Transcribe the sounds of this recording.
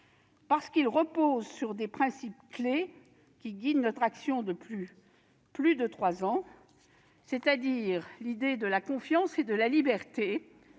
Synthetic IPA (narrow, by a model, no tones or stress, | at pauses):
paʁsə̥kilʁəpozsyʁd̪epχɛ̃sipkle | kʲiɡʲid̪nɔt̪χaksjɔ̃d̪əply | plyd̪ət̪χwazɑ̃ | set̪ad̪iʁlid̪ed̪əlakɔ̃fjɑ̃sed̪əlalibɛʁt̪e